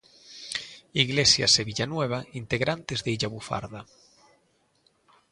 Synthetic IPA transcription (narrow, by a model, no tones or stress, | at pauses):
iɣlesja̰seβiʎanweβ̞aint̪eɣɾant̪ezðeiʎaβufa̰ɾða